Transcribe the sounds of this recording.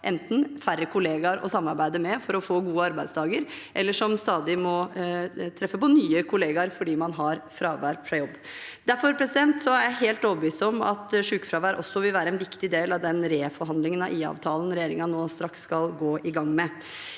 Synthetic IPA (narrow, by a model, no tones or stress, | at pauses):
ʔɛ̰nt̪n̩færːəkʰʊleːɡɑɾɔ̰sɑmːɑɾbæɪd̪əmɛfɔɾɔfoːɡuːəɑɾbæɪst̪ʰɑːɡəɾʔɛlːəʂɔmst̪ɑːd̪ɪmɔ | t̪ʰɾɛfːəpɔnyːəkʰʊleːɡɑɾfɔɖiːmɑnɦɑɾfɾɑːʋæɾfɾɑjɔbːd̪æɾfɔɾpʰɾɛsɪd̪ɛnt̪sɔæɾjæɪɦeːlt̪oːʋəbʋiːsɔmɑ̰t̪ʂʉːkfɾɑːʋæːɾʔɔsːɔʋɪlʋæːɾəɛnʋɪkt̪ɪd̪eːlɑʋd̪ɛnɾeːfɔɾɦɑnd̪lɪŋənɑ̰ʔiːɑ̰ːʋt̪ʰɑːlən̩ɾɛjeːɾɪŋɑnoːst̪ɾɑkskɑlɡoːʔɪɡɑŋːmɛ